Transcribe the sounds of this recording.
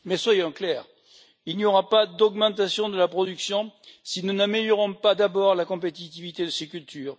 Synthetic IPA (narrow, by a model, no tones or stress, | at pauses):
mɛswajɔ̃klɛːʁ | ilniɔʁapad̪ɔɡmɑ̃t̪asjɔ̃d̪əlapχɔd̪yksjɔ̃sinunameljɔʁɔ̃pad̪abɔʁlakɔ̃p̬et̪it̪ivit̪ed̪əsekʲylt̪yːʁ